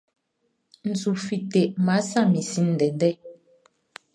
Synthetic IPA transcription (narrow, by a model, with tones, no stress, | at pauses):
n̩˨zu˨fi˨te˨ʔma˨˦sa˦˨mi˨si˦n̩˨dɛ˨dɛ˦